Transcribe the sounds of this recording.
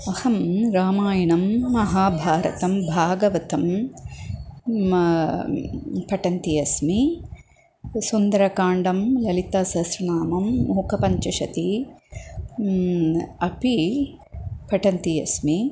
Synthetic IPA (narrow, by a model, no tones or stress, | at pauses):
ɐhɐmɾaːmaːjɐnɐmːɐɦaːbʱaːɾɐ̰t̪ɐmbʱaːɡɐʋɐt̪ɐm | pɐʈɐnt̪ijɐsmi | sund̪ɐɾɐkaːɳɖɐmlɐlit̪aːsɐsɾɐnaːmɐmoːkɐpɐɲt͡ʃɐʃɐt̪i | ɐpi | pɐʈɐnt̪ijɐ̰smi